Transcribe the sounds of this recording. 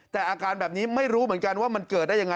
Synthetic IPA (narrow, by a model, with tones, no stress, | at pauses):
t̪ɛː˨˩ʔaː˧kaː˧nbɛː˨˩p̚niː˦˥ma˥˩jɾuː˦˥mɯ˩˦ənka˧nwaː˥˩ma˧nkɤː˨˩t̪̚daː˥˩ja˧ŋa˧